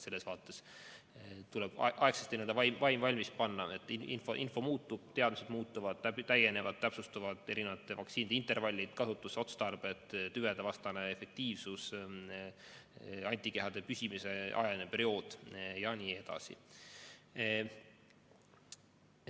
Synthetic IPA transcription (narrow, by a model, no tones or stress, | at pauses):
se̞lːe̞svɑːt̪ːˑe̞s | t̪uleb̥ʔɑekset̪ːinend̪ɑvɑjmvɑjmvɑlʲmis̚pɑnːɑet̪ːˑiḭnfoʔinfo̞muːt̪ːˑub̥̚t̪e̞ɑd̪̥mise̞d̪̥muːt̪ːuvɑd̪̥t̪æje̞ne̞vɑd̥̪̚t̪æpsust̪uvɑd̪̥e̞ɾine̞vɑt̪ˑːevɑ̰kt̪siːnid̪eint̪ˑervɑlʲːid̪̥kɑsut̪ːˑuso̞t̪st̪ɑrb̥e̞t̪ˑt̪yved̪evɑst̪ɑneefe̞k̚t̪iːvsus | ɑnʲt̪ːˑike̞ɦɑd̪̥e̞pysimise̞ʔɑ̰jɑinepe̞ɾio̞ːd̪̥jɑniːe̞d̪ɑ̰sḭ